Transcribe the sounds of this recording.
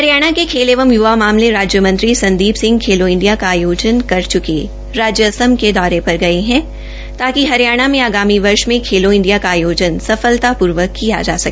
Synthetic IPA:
hɦɐɾijaːɽ̃akekʰeːleʋəmjuʋamaːmleɾaːd͡ʒjəmɐ̃nt̪ɾisɐ̃nd̪iːbsɪ̃ŋɡkʰeːloɪ̃ɳɖijakaːjoːd͡ʒənkɐɾt͡ʃʊke | ɾaːd͡ʒjəsəmked̪ɔːɾepɐɾɡɐeɦɛ̃ | t̪aːkiɦɐɾijaːɽ̃amẽaːɡaːmiʋɐɾʃmẽkʰeːloɪ̃ɳɖijakaːjoːd͡ʒənsɐfəlt̪apuːɾʋəkːija̰d͡ʒa̰ːsɐkː

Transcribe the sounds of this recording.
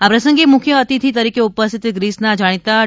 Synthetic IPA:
apɾɐsə̃ŋɡemukʰjəːt̪it̪ʰit̪ɐɾiːkeupəst̪ʰɪt̪ɡɾiːsnad͡ʒaɽ̃it̪a

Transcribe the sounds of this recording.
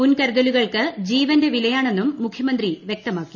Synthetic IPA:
unkɐɾuðɐluɣɐɭkɨd͡ʑiːʋɐnde̞ʋilɐjaːɳe̞nːumːukʰjɐmɐnd̪riʋjek̚t̪ɐmaːkːi̥

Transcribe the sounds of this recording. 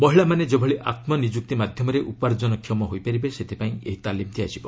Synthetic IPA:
mɔɦiɭamaned͡ʒobʱɔɭiʔat̪mɔnid͡ʒuk̚t̪imad̪ʱjɔmɔɾeʔupaɾd͡ʒɔnɔkʰjɔmɔɦojpaɾibeset̪ʰipaĩḛɦit̪alimt̪ʰiasibɔ

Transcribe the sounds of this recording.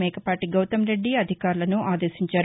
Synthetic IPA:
ɛːkɐpaːʈiɡɐwt̪ɐmɾe̞ɖːiɐd̪ʱikaːɾulɐnuʔaːd̪e̞ːsiɲt͡ʃaːɾ

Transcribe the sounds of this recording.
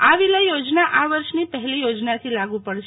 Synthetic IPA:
aʋiləjjod͡ʒnaʔaʋəɾʃnipəɦɛlijod͡ʒnat̪ʰilaɡũpəɽʃ

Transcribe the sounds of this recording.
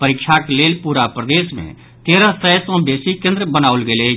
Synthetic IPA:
pəɾɪkʃʰakleːlpuːɾapɾəd̪eːsmḛ̃ | t̪eːɾasəjsɔ̃beːsikẽnd̪ɾbənaːʊlɡeːle

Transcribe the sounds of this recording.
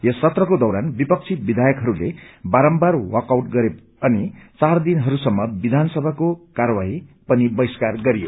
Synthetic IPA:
jesːʌt̪rʌkod̪ʌwɾanbipʌk̚t͡sʰibid̪ʱajʌkɦʌɾulebaɾʌmbarwʌkawʈɡʌɾep | ʌnit͡sard̪inɦʌɾusʌmːʌbid̪ʱansʌbʱakokaɾwaɦipʌnibʌjskarɡʌɾijo̰

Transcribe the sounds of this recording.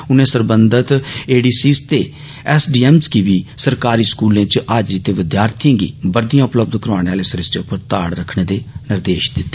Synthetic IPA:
ʊnẽːsəɾbənd̪ət̪eːɖiːsiːst̪eː | ɛsɖiːɛːmskiːʋiːsəɾkaːɾiːskuːlẽːt͡ʃʔaːd͡ʒɾiːt̪eːʋɪd̪jaːɾt̪ʰijãːɡḭːbəɾd̪ijãːʊpləbd̪kəɾʋaːɽ̃eːaːleːsəɾɪsʈeːʊpəɾt̪aːɽɾəkʰɳẽːd̪eːnɪɾd̪eːʃd̪ɪt̪ːeː

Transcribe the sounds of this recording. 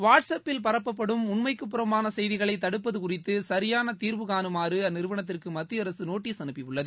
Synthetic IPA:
ʋaːʈsɐpːɪlpɐɾɐpːɐp̬ːɐɽɯmʊɳmɐɪkːɯpːɯɾɐmbaːnɐsɛjðɪɣɐɭɐɪt̪ːɐɽɯpːɐðɯkʊrɪt̪ːɯsɐɾɪjaːnɐt̪iːɾʋɯɣaːnɯmaːrɯɐnːɪɾɯʋɐɳɐt̪̬ːɪrkɯmɐt̪ːɪjɐɾɐsɯnoːʈːisɐnɯpːɪʋɯɭːɐðɯ

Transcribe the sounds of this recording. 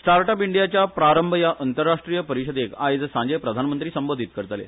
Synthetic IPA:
sʈaɾʈabiɳɖijat͡ɕjapɾaɾəmbʱəjaʔənt̪əɾːaʂʈɾijəpəɾiɕəd̪ekajed͡z̪sãɲd͡ʑepɾəd̪ʱanmənt̪ɾiːsəmbod̪ʱit̪̚kəɾt̪alḛ

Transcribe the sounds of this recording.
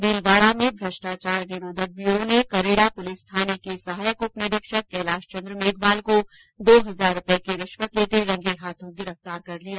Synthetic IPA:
d̪iːlʋaːɽamẽbʱɾɐʃʈaːt͡ʃaːɾnɪɾoːd̪ʱək̚bionekɐɾeːɽapʊlɪst̪ʰaːnekesɐɦaːjəkopneɾɪkʃək̚ːɛːlaːʃt͡ʃɐ̃nd̪ɾəmeːɡbaːlko | d̪oːɦɐzaːɾːʊpekeɾɪʃʋət̪leːt̪eɾɐ̃ŋɡeɦaːt̪ʰõɡɪɾəft̪aːɾkɐɾliaː

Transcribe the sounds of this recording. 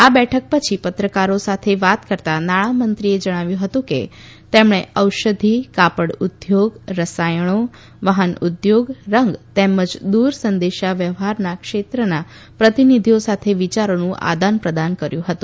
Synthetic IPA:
abɛʈʰək̚pət͡ʃʰipət̪ɾəkaɾosat̪ʰeʋat̪kəɾt̪anaɭ̃amənt̪ɾied͡ʒəɽ̃aʋjũɦət̪ũkḛ | t̪emɽ̃eəwʃəd̪ʱikapəɽud̪joɡɾəsajəɽ̃o | ʋaɦənud̪joɡɾəŋɡt̪eməd͡ʒd̪uɾsənd̪eʃaʋjəʋɦaɾnakʃet̪ɾəna | pɾət̪inid̪ʱijosat̪ʰeʋit͡ʃaɾonũʔa̰d̪anpɾəd̪ankəɾjũɦət̪ũ

